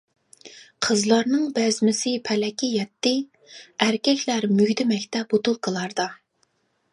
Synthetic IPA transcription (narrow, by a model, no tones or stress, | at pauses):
qʰəzlˠɑɾnɨŋbɛzmɪsɪpʰɛlɛkʲijɛt̪ːɪ | æɾkʲɛkʲlæɾmyɡʲd̪ɪmɛkʲt̪ʰɛp̚ot̪ulˠqʰəlˠɑɾd̪ɑ